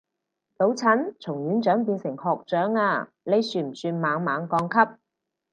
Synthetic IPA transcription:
t̪o˨˥wt͡sʰɐ˨˥nt͡sʰʊ˨˩ŋjyː˨˥nt͡ʃœː˨˥ŋpiː˧nsɪ˨˩ŋhɔː˨˧k̚t͡ʃœː˨˥ŋaː˧ | le˨˧jsyː˨˩m̩˨˩syː˧nmaː˨˧ŋmaː˨˧ŋkɔː˧ŋkʰɐ˥p̚

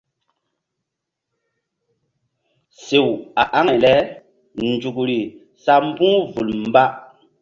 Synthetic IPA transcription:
se˨wa˨ʔa˦ŋa˨jlɛ˦ | nd͡ʒu˨kɾi˨ | sa˦m̩˦bũ˦vu˨lm˦ba˦

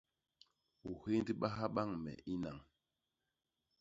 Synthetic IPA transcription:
u˨he˦ndi˦ɓa˦ɦa˦ɓa˦ŋmɛ̰˨i˦na˨ŋ

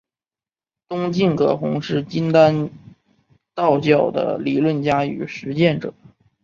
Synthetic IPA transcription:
t̪ʊ˥ŋt͡ɕi˥˩ŋkʰɤ̰˨˩xʊ̰˧˥ŋʂɻ̩˥˩t͡ɕi˥nt̪a˥n | t̪ɑ˥˧ʊt͡ɕjɑ˥˩ʊd̪ə̰˩li˨˩lwə˥˩nt͡ɕja˥y̰˨˩ʂɻ̩˧˥t͡ɕjɛ˥˩nʈ͡ʂɤ̰˨˩˦

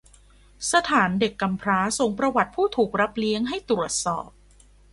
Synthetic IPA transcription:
sa˧t̪ʰaː˩˦nde˨˩kːa˧mpʰɾaː˦˥so˨˩˦ŋpɾa˧wa˨˩t̪̚pʰuː˥˩t̪ʰuː˨˩k̚ɾa˦˥p̚li˦˥əŋɦa˥˩jt̪ɾu˨˩ət̪̚sɔ̰ː˨˩p̚

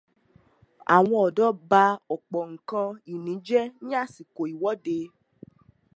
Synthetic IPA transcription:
a̰˨w̃ɔ̃˧ɔ˨dɔ˨˦ba˧ɔ˨k͡pɔ˨ŋ̩˨kã˧i˨nĩ˨˦d͡ʒɛ˦nĩ˦a˦˨si˨ko˨i˨wɔ˨˦de˧˦

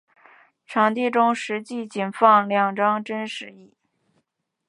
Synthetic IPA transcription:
ʈ͡ʂʰɑ˧˥ŋt̪i˥˩ʈ͡ʂʊ˥ŋʂɻ̩˧˥t͡ɕi˥˩t͡ɕi˨˩nfɑ˥˧ŋljɑ˥˩ŋʈ͡ʂɑ˥ŋʈ͡ʂə˥nʂɻ̩˧˥i˥˩

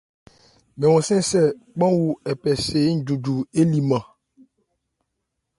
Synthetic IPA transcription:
mɛ̃˨wɔ̃˨sɛ̃˦sɛ˦˨k͡pã˦wu˦˨ɛ˨pɛ˨se˨˦n̩˦du˨du˨e˦li˨mã˨

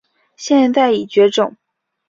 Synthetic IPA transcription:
ɕjɛ˥˧nt̪a˥˩ɪi˨˩t͡ɕɥɛ˧˥ʈ͡ʂʊ˨˩˦ŋ

